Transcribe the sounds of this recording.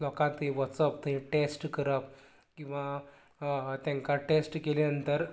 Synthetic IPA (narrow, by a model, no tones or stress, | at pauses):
lɔkãt̪ɦĩʋəsəp̚t̪əɦĩʈesʈkəɾəp̚ | kĩw̃ʋa | t̪jãŋkaʈesʈkelenənt̪əɾ